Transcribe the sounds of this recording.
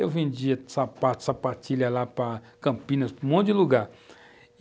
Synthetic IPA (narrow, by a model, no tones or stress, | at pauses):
ewvẽnd͡ʒiɐsapat̪ʊ̥sapat͡ʃiʎɐlapɾɐ | kɐ̃mpĩnɐspʊmõt̪dd͡ʒɪluɡaɾ